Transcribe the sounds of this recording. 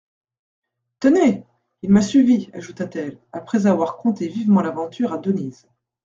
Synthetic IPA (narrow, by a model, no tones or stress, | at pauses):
t̪əne | ilmasɥiviaʒut̪at̪ɛlapχɛzavwaʁkɔ̃t̪evivmɑ̃lavɑ̃t̪yʁad̪əniz